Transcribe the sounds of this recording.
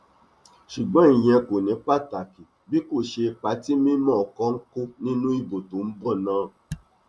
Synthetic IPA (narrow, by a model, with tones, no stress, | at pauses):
ʃu˨ɡ͡bɔ̃˨˦ĩ˨j̃ɛ̃˧ko˨nĩ˨˦pa˦ta˨ki˨ | bi˦ko˦˨ʃe˧pa˨˦ti˦mĩ˦mɔ̃˦˨ɔ˨kɔ˦ŋ̩˦ko˦nĩ˦nũ˦i˦˨bo˨to˨˦n̩˦bɔ˦˨nãː˨˦